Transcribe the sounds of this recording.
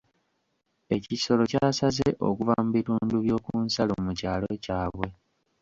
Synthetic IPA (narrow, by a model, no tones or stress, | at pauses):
e̞ciso̞lo̞caːsazeʔo̞̰kuvamuβituːnduβjo̞ːkuːnsalomucaːlo̞caːβwe̞